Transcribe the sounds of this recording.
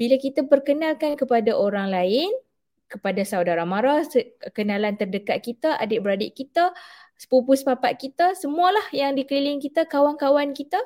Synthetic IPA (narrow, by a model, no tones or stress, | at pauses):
b̥ilakit̪apərkənalkankəpadaʔoɾaŋlaɪn | kəpadasawdaɾamaɾasəkənãlant̪ərdəkat̪̚kit̪aʔa̰dɪʔbəɾadɪʔkit̪aspupʊspapaʔ̪̚kit̪asəmuəlahjaŋdiklilɪŋkit̪akawaŋkawankit̪a